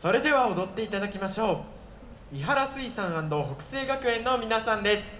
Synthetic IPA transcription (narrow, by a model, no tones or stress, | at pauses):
so̞ɾe̞d̪e̞βao̞d̪o̞t̪ːe̞it̪ad̪akʲimaɕo̞ː | iɦaɾasɨisãɰ̃ãnd̪o̞ːɦokɯ̥se̞ːɡakɯ̟ẽ̞nːo̞mʲinasãnd̪e̞sɨ̥